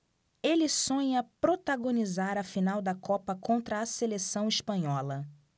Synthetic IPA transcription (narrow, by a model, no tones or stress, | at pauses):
elɪsõɲɐpɾot̪aɡõnizaɾɐfinawd̪ɐkɔpɐkõnt̪ɾɐːselesɐ̃w̃iʃpɐ̃ɲɔlɐ